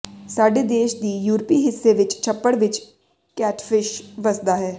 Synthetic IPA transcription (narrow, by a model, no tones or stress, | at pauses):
saːɖed̪eːʃd̪ijuːɾpiɦɪsːeʋɪt͡ʃt͡ʃʰɐpːəɽʋɪt͡ʃ | kɛːʈfɪʃʋɐsd̪aɦɛː